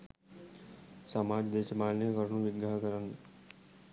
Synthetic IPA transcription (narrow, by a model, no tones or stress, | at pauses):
samaːd͡ʒd̪eːʃmaːlnekəɾnũʋɪɡaɦkəɾən